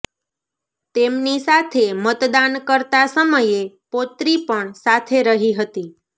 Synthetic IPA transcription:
t̪emnisat̪ʰemət̪d̪ankəɾt̪asəməjepot̪ɾipəɳsat̪ʰeɾəɦiɦət̪i

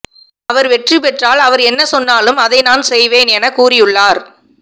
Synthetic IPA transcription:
ɐʋɐɾʋɛʈripɛʈraːlɐʋɐɾɛnːɐsɔnːaːlɯmɐðɐɪnaːnsɛjʋeːnɛnɐkuːrɪjɯɭːaːɾ

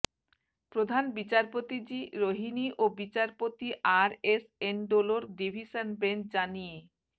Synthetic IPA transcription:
pɾod̪ʱanbit͡ɕaɾpot̪id͡ʑiɾoɦiniʔobit͡ɕaɾpot̪iʔaɾesenɖoloɾɖibʱiʃanbend͡ʑanije

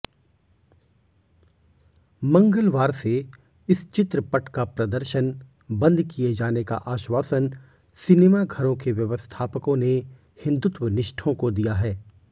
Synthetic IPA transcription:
mɐ̃ŋɡəlʋaːɾse | ɪst͡ʃɪt̪ɾəpɐʈkapɾɐd̪əɾʃən | bɐ̃nd̪kied͡ʒaːneka̰ʔaːʃwaːsən | sɪnemaɡʱɐɾõkeʋjɐʋəst̪ʰaːpəkõne | hɪ̃nd̪ʊt̪wənɪʃʈʰõkod̪ijaɦɛː

